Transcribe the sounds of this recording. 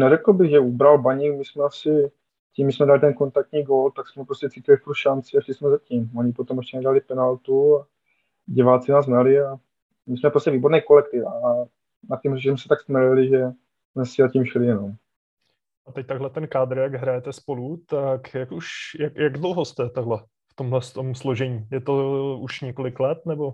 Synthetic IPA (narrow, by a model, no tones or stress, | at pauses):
nɛɾɛkl̩bɪɣʒɛubɾalbaɲikmɪsmɛasɪ | cimːɪsmɛdalɪt̪ɛnko̞nt̪ak̚t̪ɲiːɡolt̪aksmɛpɾoscɛt͡sicɪlɪfpuɾʃant͡sɪaʃlɪsmɛzaciːmoɲɪpot̪omɛʃcɛnɛdalɪpɛnalt̪ua | ɟɪvaːt͡sɪnaːs̬mnalɪa | mɪsmɛpɾoscʲɛviːbo̞ɾnɛjko̞lɛkt̪ɪfa | nat̪cɛmrɛʃismɛsɛ̥t̪aksmɛlɪlɪʒɛ | smɛsɛzaciːmʃlɪjɛnom | ʔat̪ɛc̚t̪aɡɦlɛt̪ɛnkaːd̪ɾjaɡɦɾajɛt̪ɛspolut̪akjakuʃjakjaɡdlɦost̪ɛt̪aɡɦlɛ | ft̪o̞mɦlɛst̪omsloʒɛɲiːjɛt̪ouʃɲɛko̞lɪklɛt̪nɛbo̞